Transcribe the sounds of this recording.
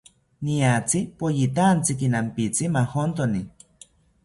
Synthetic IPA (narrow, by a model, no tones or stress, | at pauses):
niat͡sipojit̪̬ant͡sikinampit͡simahont̪oni